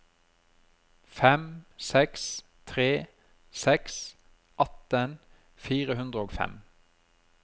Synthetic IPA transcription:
fɛmsɛks | t̪ʰʁeː | sɛks | ʔɑt̪ən | fiːʁəhʉnd̪ʁəoːɡfɛ̰m

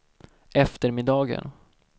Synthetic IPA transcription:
ʔɛft̪əɾmɪd̪ɑːɡə̰n

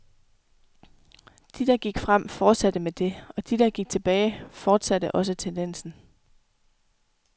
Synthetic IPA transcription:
d̥id̥ɑ̈ɡ̥iɡ̥fʁam̰fɒːd̥sæd̥əmed̥e̝ɒ̽d̥id̥ɑ̈ɡ̥iɡ̥̚t͡sʰe̝b̥ɛːɪfɒːd̥sæd̥əʔɒ̽s̬ət͡sʰend̥en̰sn̩

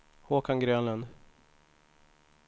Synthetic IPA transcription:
hoːkanɡɾøːnlənd̪

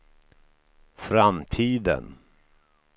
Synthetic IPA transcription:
fɾamt̪ʰiːd̪ə̰n

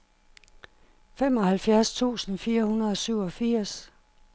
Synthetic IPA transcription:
fem̰ɒ̽hælfjæɐst͡sʰṵːsn̩fiːɐhunɐðˠɒ̽syʊ̰ɒ̽fiɐ̰s

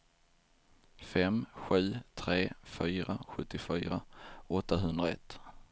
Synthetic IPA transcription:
fɛmɧʉ̟ːt̪ʰɾeːfyːɾaɧɵt̪ːɪfyːɾaɔt̪ːaɦɵnd̪ɾaɛt̪ː

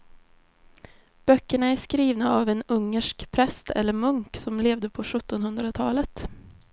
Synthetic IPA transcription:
b̥œkːəɳaæʂkɾiːvnaavɛnɵŋːəʂkpʰɾɛst̪ʰɛ̰lːəɾmɵŋksɔmleːvd̪əpʰɔɧɵt̪ːɔnhɵnd̪ɾat̪ʰɑːlət̪

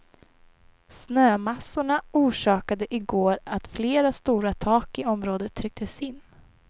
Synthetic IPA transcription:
snøːmasʊɳaʔuːʂɑːkad̪əʔɪɡoːɾat̪fleːɾast̪uːɾat̪ʰɑːkɪɔmɾoːd̪ət̪ʰːɾʏk̚t̪əsɪnː

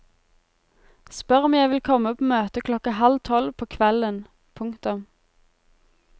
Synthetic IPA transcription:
spœʁɔmjæɪʋɪlkʰɔməpʰoːmøːt̪əkʰlɔkəhɑlt̪ʰɔlpʰoːkʰʋɛlən | pʰʊŋkt̪ʊm

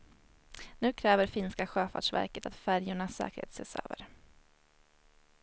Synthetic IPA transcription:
nʉ̟ːkʰɾɛːvəɾfɪnskaɧøːfa̰ɖʂvæ̰ɾkət̪ʰat̪fæɾjʊɳasɛ̰ːkəɾhḛːt̪sḛːsø̰ːvə̰ɾ

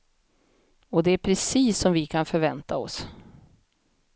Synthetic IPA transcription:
ɔd̪ɛæɾpʰɾɛsiːsːɔmvɪkʰanfœɾvɛnt̪aɔ̰s

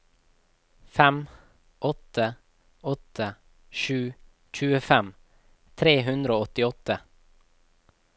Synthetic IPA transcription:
fɛm | ʔɔt̪ə | ɔt̪ʰə | ʃʉː | c͡çʉːəfɛm | t̪ʰɾeːɦʉnd̪ɾəoːɔt̪ɪɔt̪ə

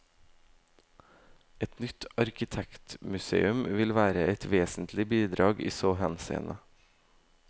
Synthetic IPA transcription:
ɛt̪nʏt̪ɑɾkɪt̪ʰɛkt̪mʉsḛːʉmʋɪlʋæːɾəɛt̪ʋeːsn̩t̪ʰlɪbiːd̪ɾɑːɡḭːsoːhɛnsḛːnʔə

